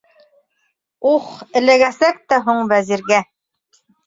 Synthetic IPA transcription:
uχɘ̆læɡæsæk̚t̪æɦuɴvæziɾɡæ

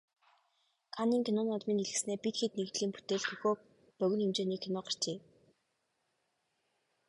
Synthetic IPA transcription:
kʰaniːŋkʲʰinʊːnɔt̪miːniɮɘ̆ksneːpit̪xet̪̚neɣt̪ɮiːmpu̥t̪eːɮxɵxoː | pœɣ̆ʲnxemt͡ɕeːniːkʰinʊːɢar̥t͡ɕeː

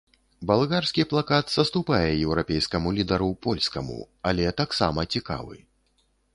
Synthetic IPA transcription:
balˠɣarsʲkʲiplˠakat̪z̥ɐst̪upajɛjɛwɾapʲɛjskɐmulʲid̪ɐɾupɔlʲskɐmṵ | alʲɛt̪aksamɐt͡sʲika̰vɨ̰

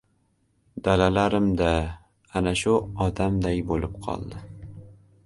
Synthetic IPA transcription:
d̪̥alalaɾɪmd̪a | anaʃʊɒd̪amd̪ajbolɪp̚qʰɒ̰lˠd̪ɪ

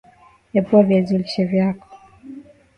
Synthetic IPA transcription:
japuavjaziliʃɛvjakɔ̥

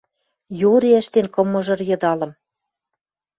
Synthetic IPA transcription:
joɾeæʃt̪enkɤ̆mːɤ̆ʒɤ̆rjɤ̆d̪ɑlɤ̆m

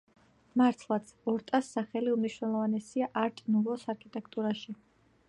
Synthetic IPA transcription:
maɾt̪ʰlˠat̪sʰɔɾt̪ʼasːaχɛliumniʃwnɛlˠɔvanɛsiaʔaɾt̪ʼnulˠɔsaɾkʰit̪ʼɛkʰt̪ʼuɾaʃi

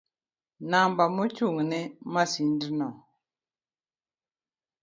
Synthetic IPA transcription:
nambamot͡ʃuŋnɛmasindinɔ

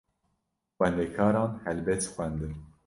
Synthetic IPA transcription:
xwɛnd̪ɛkʰɑːɾɑːnhɛlbɛt̪xwɛnd̪ɨn

